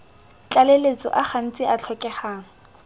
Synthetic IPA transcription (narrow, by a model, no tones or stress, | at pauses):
t͡ɬʼalelet͡sʼɔ̰ʔaχan̩t͡sʼɪat͡ɬʰɔkʼɛχaːŋ̩